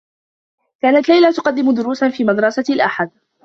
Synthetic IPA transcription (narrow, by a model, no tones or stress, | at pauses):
kaːnat̪lajlat̪ʊ̥qɑd̪ːɪmʊd̪ʊɾuːsanfiːmad̪ɾˤɑsalʔaħad̪̚